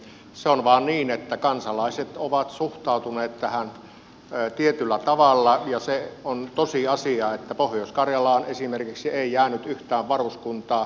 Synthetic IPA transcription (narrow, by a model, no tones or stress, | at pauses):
seonʋɑːnniːnet̪ːækɑnsɑlɑˑiset̪oʋɑt̪suht̪ɑˑut̪uneːt̪t̪æhæn | t̪iet̪ylːˑæt̪ɑʋɑlːɑjɑseont̪osiɑsiɑet̪ːæpohjoˑskɑrjɑlɑˑonesimerkiksieˑijæːnyt̪yht̪æːʋʋɑruskunt̪ɑː